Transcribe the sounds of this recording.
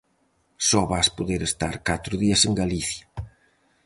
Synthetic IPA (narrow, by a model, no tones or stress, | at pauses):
sɔβaspoðeɾest̪aɾkat̪ɾʊðiɐseŋɡaliθjɐ